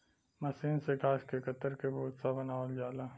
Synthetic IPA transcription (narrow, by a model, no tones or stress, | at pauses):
mɐsiːnseɡaːskekɐt̪əɾkeboːt̪sabɐnaːʋld͡ʒaːlaː